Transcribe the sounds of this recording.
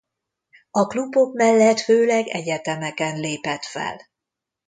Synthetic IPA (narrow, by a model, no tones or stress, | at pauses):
ɒklubo̞bmɛlːɛt̪føːlɛɡɛ̰ɟɛt̪ɛmɛkɛnleːpɛt̪fɛ̰l